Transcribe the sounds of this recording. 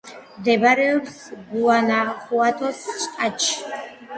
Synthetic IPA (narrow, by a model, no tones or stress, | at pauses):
d̪ɛbaɾɛɾsɡuanaχuat̪ʰɔst͡ʃʼt̪ʼat͡ʃʰ